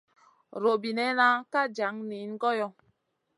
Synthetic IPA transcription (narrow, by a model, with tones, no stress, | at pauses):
ɾo˨bi˨nɛ˦na˦ka˦d͡ʒa˨˦ŋni˨˦n˦ɡɔ˦jɔ˦